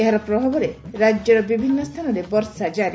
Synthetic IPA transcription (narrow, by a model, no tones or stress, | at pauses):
eɦaɾɔpɾɔbʱabɔɾeɾad͡ʒjɔɾɔbibʱinːɔst̪ʰanɔɾebɔɾsad͡ʒaɾi